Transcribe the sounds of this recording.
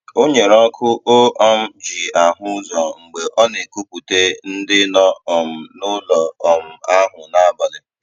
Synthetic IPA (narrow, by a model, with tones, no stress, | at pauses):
o˦ɲe˨ɾɔ˦kʰʊ˦ʔo˦ʔɔ˦m̩˦d͡ʒi˨a˨ɦʊ˦zɔ˨ŋ͡m̩˨ɡ͡be˨ʔɔ˦ne˨ku˦pu˨te˦n̩˦dɪ˦nɔ˦ɔ˨m̩˨nʊ˦lɔ˨ɔ˨m̩˨a˦ɦʊ˨na˦ba˨lɪ˦